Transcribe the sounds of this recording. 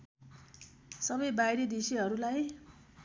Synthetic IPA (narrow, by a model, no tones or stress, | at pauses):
sʌbʌjbajɾed̪isiɦʌɾulaj